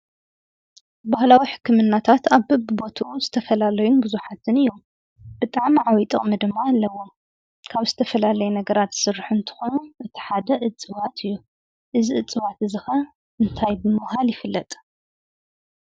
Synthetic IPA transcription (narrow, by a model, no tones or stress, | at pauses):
bahlawiħɨ̥kʰːɨmɨnːat̪ʰat̪aβhɨbɨbo̞t̪ʰuʔuzɨt̪ʰɐfɐlalɐjunbɨzuħat̪ʰɨnɨjːom | b̥ɨt̪ʼaʕmiʕawit̪ʼɨχʼmid̪ɨmːaːlːɐwo̞m | kʰaβzɨt̪ʰɐfɐlalɐjunɐɡɐɾat̪sɨrːħunt̪ʰɨ̥xonuʔɨt̪ʰi̥ħad̪ɐʔɨt͡sʼːɨwat̪ʰɨjːu | ʔɨziɨt͡sʼɨwat̪ɨzɨxɐ | ɨnt̪ʰajbɨmɨhaljɪfɨlːɐt̪ʼ